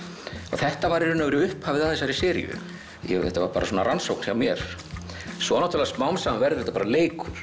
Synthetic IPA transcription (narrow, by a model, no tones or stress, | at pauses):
ɔ̰ɣθɛht̪avaɾɪɾʏnːavɛːɾɪʏhphavɪðaðɛsːaɾisɛːɾj̰ʏ̰ | jɛ̰ɣɛht̪a̰vaɾpaːɾa̰s̬ɔnaransowkn̥sçawmjɛɾ̥ | sɔanawt̪ʰʏlasmawmsavɛɾðɪɛt̪apaːɾaleːjkʰʏɾ̥